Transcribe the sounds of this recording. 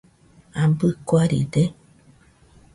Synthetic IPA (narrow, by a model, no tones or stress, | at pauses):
ambɨkʷaɾḭd̪e